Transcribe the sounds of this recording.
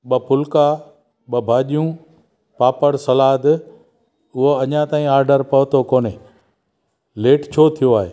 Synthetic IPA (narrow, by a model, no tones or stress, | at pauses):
ɓɐpʰʊlka | ɓɐbʱaːʄijũ | paːpəɽsɐlaːd̪ | ʊɦoɐɲãt̪aːĩaːɾɖəɾpɐɦʊt̪okoːne | leːʈt͡ɕʰoːt̪ʰijoaːɦeː